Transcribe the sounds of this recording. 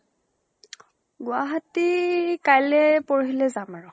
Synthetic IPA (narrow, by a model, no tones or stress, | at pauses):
ɡʊaɦatikajlɛpɔɹɦilɛzamaɹʊ